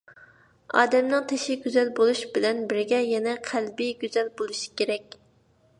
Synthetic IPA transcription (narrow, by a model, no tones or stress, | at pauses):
ɑ̰ːd̪ɛmnɨŋt̪ʰeʃiɡʲyzɛlbolˠuʃb̥ɪlɛnbɪɾɡʲɛjɛnɛqʰælbiɡʲyzɛlbolˠuʃi̥kʲeɾɛk̚ʲ